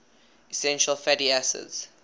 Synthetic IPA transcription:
isɛ̃nʃəlfɛdiæsə̰dz̥

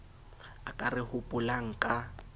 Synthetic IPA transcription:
akʼarɪhʊpʼʊlaŋ̩kʼa

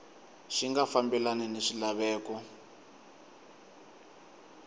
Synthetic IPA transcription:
ʃiŋɡafambɛlanɛneʃilaβɛːkɔ

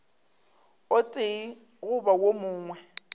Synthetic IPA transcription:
ʊtʼei | ɣʊbawomʊːŋwɛ

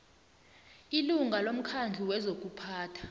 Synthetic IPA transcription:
iluŋɡʱalom̩kʰand͡ɮʱiwɛzok̬ʼupʰaːtʰḁ

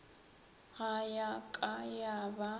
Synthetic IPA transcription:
ɣajakʼajaba

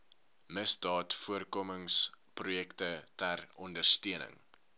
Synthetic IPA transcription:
məsdɑːtfuərkoməŋsprujɛktətærɔndərstiənə̰ŋ

